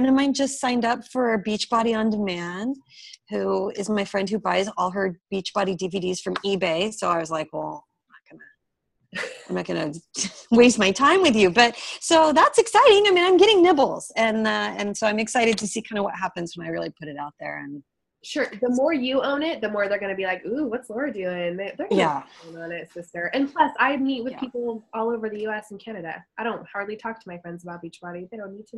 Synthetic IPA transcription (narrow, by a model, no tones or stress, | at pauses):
nɨ̃mãɪ̃nd͡ʒʌstsãɪ̃ndʌpfə˞ɨbit͡ʃb̥ɑɾiə̃ndɨmæ̃nhʉɪ̰zmaɪfɹɛ̃nd̚hʉbaɪzɔlˠɦə˞b̥it͡ʃb̥ɑɾidiviɾiz̥fɹʌ̃mibeɪsoʊaɪwʌzlaɪkwɛ̰lˠanət̚ɡ̥ʌnɨ | ãɪ̃mnɨt̚ɡ̥ʌnɨweɪsmaɪtʰãɪ̃mwɨðjʉbʌt̚soʊðætsɨksaɪɾɪ̃ŋaɪmĩñãɪ̃mɡɛɾɪ̃ŋnɪbl̩ˠz̥ɨ̃nʌɨ̃nsoʊãɪ̃mɨksaɪɾɨd̚tʰɨsikʰãɪ̃ndəvwʌ̰t̚ɦæpɨ̃nzwə̃naɪɹɪlˠipʰʊɾɨɾaʊt̪̚ðə̰˞ɨ̰̃n | ʃʊɹðəmɔɹjɨõʊ̃nɪt̪̚ðɨmɔɹðə˞ɡʌnɨbilaɪkuwʌtswə˞dʉɪ̃ŋðeðə˞ɡjæɪ̃ŋə̃nɪtsɪstə˞ʔɨ̃npʰl̥ʌsaɪmit̚wɨð̥pʰipl̩ˠɔlˠoʊvə˞ðɨjʉɛsn̩kʰænɨɾɨ̰aɪɾõʊ̃nt̚hɑɹdˡlitʰɔk̚tʰəmaɪfɹɛ̃ndzəbaʊɾit͡ʃb̥ɑɾiðeɾõʊ̃nːid̚tʰɨ